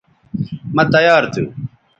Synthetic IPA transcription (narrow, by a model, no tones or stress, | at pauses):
mɐt̪ɐjaːɾt̪ʰu